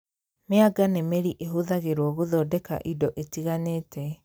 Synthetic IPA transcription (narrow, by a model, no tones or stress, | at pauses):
meaɡanemeɾiʔeɦoðaɣeɾwɔɣoðɔːdɛka̰ʔidɔʔetiɣaneːtʰɛ